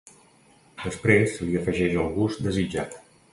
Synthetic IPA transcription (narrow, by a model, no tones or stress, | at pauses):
d̪̥əspɾesliəfəʒɛʒəlˠɣuzd̪əzid͡ʒa̰t̪